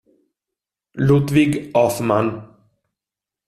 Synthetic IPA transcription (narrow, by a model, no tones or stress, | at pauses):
lut̪vɪɡɔfman